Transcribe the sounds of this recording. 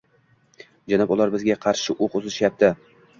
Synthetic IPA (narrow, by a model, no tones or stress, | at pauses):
d͡ʒanɑpʊlˠaɾbɪzɡʲaqʰɑɾʃɪʔoqʊzɪʃjap̚t̪ʰɪ